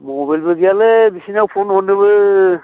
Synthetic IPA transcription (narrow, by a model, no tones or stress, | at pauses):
mɔbajlbɯɡijalɛbisinawpʰonhonɯbɯ